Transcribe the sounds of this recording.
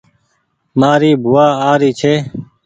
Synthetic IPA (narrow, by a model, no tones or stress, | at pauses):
maːɾiːbʱuwaːaːɾiːt͡ʃʰeː